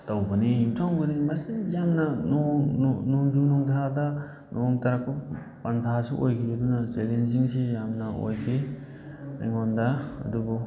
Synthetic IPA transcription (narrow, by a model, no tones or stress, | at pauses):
tawbɐniimtʰɔŋbɐnimasijamnɐnɔŋnɔŋzunɔŋtʰadɐ | nʔɔŋtaɾakːɔ | pantʰasiʔojkʰiɐdunɐselenziŋsijamnɐo̰jkʰi | na̰jŋɔndɐɐ̰dubu